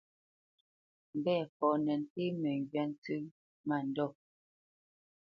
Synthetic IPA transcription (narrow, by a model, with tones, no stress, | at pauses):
m̩˨bɛː˦˨fɔ˨nɛ˨n̩˨te˦mɛ˨ŋ˨ɡɥa˦n˦tʉ˦ | ma˨n̩˨dɔ˦˨